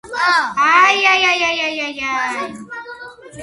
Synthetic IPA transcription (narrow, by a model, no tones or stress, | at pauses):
ajajajajajaja